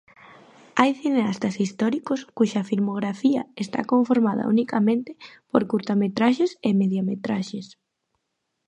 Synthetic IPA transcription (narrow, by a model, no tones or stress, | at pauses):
ajθineast̪ɐsist̪ɔɾikoskuʃɐfilmoɣɾafiɐ̰est̪a̰koɱfoɾmaðɐ̰ṵnikamẽnt̪ɪ̥poɾkuɾt̪amet̪ɾaʃesemeðjamet̪ɾaʃes